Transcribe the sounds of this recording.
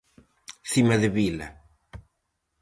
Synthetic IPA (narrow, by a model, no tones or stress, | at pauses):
θimaðɪβilɐ̰